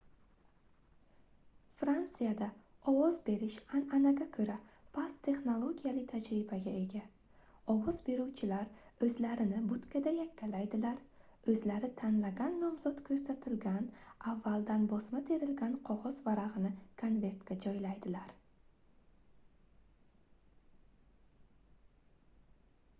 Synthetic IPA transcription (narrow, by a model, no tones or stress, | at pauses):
fɾant̪sijad̪aɒwɒzbe̞ɾɪʃananaɡʲakʰɵɾapʰast̪ʰe̞χnolˠoɡʲijalɪt̪ʰad͡ʒɾɪbaɡʲae̞ɡʲa | ɒwɒz̥be̞ɾuwt͡ʃʰɪlaɾɵzlaɾɪnɪbʊt̪kʰʲad̪ajakʲːalajd̪ɪlaɾ | ɵzlaɾɪt̪ʰanlaɡʲanːɒmzɒt̪kʰɵɾsat̪ʰɪlɡʲanavːalˠd̪anbɒsmat̪ʰe̞ɾɪlɡʲanqʰɒʁɒzvaɾaʁɨnɪkʰanve̞ɾt̪ɡʲad͡ʒɒjlajd̪ɪlaɾ